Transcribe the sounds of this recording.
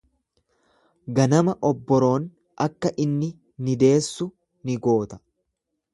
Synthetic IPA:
ɡɐnɐmɐʔɔbːɔɾo̞ːn | ʔɐkːɐʔɪnːɪ | nɪd̪e̞ːsːʊ | nɪɡo̞ːt̪ɐ̥

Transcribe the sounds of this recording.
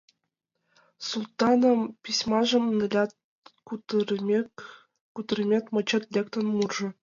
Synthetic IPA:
sulˠt̪ɑnɤ̆mpʲisʲmɑʐɤ̆mnʲlʲɑt̪ | kut̪r | kut̪rʲmʲet̪ʲmɤ̆t͡ɕɤ̆t̪ʲlʲekt̪onmurʐɤ̆

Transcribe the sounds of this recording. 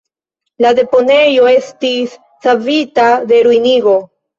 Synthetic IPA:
lade̞po̞ne̞jo̞e̞stisː | avitade̞ɾujniɡo̞

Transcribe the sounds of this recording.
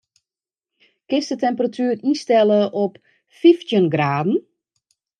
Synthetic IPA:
kɪstətɛmpəratʰyːristɛləʔɔp | fiftjənɡraːdn̩

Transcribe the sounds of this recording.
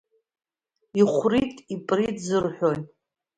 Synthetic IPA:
iχʷritʼipʼritzɨrħʷᶣoj

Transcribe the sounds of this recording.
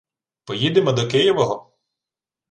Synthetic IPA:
pɔjid̪emɔd̪ɔkɪjɔʋɔɦɔ

